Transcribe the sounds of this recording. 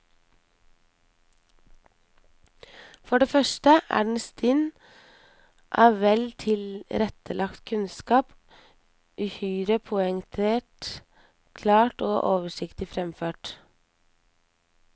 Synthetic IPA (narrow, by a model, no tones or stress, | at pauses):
fɔɖeːfœʃʈəʔæ̰ːɖn̩st̪ɪn | ʔɑːʋʋɛlt̪ʰɪlɾɛt̪ʰəlʔɑkt̪kʰʉnskɑːp | ʔʉhyːɾəpʰʊəŋt̪ʰeːʈ | kʰlɑːʈoːʔoːʋəʃɪkt̪ɪfɾɛmføːʈ